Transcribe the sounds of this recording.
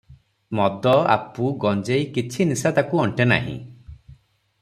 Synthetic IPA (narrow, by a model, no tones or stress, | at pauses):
mɔd̪ɔa̰puɡɔnd͡ʒejkit͡ʃʰinisad̪akuɔɳʈena̰ɦḭ̃